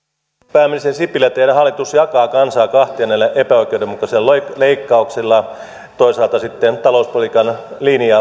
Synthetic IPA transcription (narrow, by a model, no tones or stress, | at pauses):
pæːmːinsesipilːˑet̪ehnæhɑlːˑit̪usjɑkɑːkɑnsɑːkɑht̪ienːelːeʔepæoikˑeudemukɑseloleikːɑukselːɑ | t̪oisɑˑlt̪ɑsit̪ːent̪ɑlouspolikɑnliniɑ